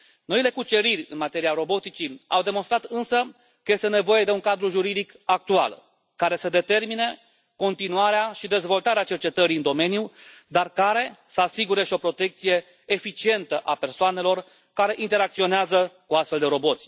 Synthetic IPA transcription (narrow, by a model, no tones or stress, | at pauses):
no̞ile̞kut͡ʃe̞ɾirʲɨ̰nmat̪e̞ɾiaɾo̞bo̞t̪it͡ʃia̰wd̪e̞monst̪ɾat̪ɨnsə | kəje̞st̪ene̞vo̞je̞d̪e̞uŋkad̪ɾuʒuɾid̪ik | ak̚t̪ua̰l | kaɾe̞səd̪e̞t̪e̞rmine̞ | ko̞nt̪inuaɾeaʃid̪e̞zvo̞lt̪aɾeat͡ʃe̞rt͡ʃe̞t̪əɾiɨnd̪o̞me̞njud̪arkaɾe̞səasiɡuɾe̞ʃio̞pɾo̞t̪e̞k̚t̪sije̞ː | fit͡ʃie̞nt̪əʔape̞rsoane̞lo̞r | kaɾe̞ʔint̪e̞ɾak̚t̪sio̞neazəkuast̪fe̞ld̪e̞ɾo̞bo̞t̪sʲ